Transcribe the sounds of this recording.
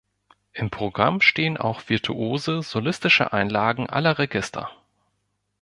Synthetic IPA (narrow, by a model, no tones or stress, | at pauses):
ʔɪmpʁ̥oɡʁamʃteːənʔa̰ʊxv̥ɪɐtʰuʔoːzəz̥olɪstɪʃə̰ʔa̰ɪnlaːɡŋ̩ʔa̰lɐʁeɡɪstʰɐ̰